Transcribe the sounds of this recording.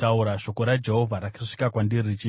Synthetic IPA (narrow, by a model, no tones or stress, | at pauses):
tauɾaʂo̞ko̞ɾad͡ʒe̞ɦo̞vʱaɾakaʂi̥kakwandiɾit͡ʃi